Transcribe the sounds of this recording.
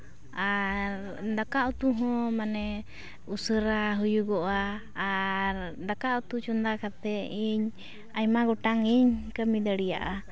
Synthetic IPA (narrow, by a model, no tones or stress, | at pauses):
aɾ | d̪akaʔut̪uɦɔ̃manɛ | usəɾaɦujuɡɔʔaː | ɾd̪akaʔut̪ut͡ʃɔnd̪akat̪ɛiɲ | ajmaɡɔʈaŋiɲkəmid̪əɽija̰ʔa